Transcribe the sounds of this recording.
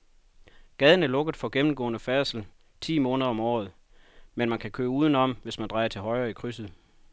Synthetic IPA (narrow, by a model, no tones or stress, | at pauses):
ɡ̥ɛð̞ˠən̩æɐlɔ̽ɡ̥əð̩ˠfɒ̽ɡ̥emm̩ɡ̥ɔ̰̽ːnəfɛɐsl̩ | t͡sʰḭːmɔ̽ːnəðˠɐɒ̽mɒ̰ːð̞̩ˠ | menmænkʰækʰøːuːð̞ˠən̩ɒ̽m̰ʋe̝smænd̥ʁɑ̈ɪɐt͡sʰe̝lɦɒ̽ɪʁɐːikʰʁysð̩ˠ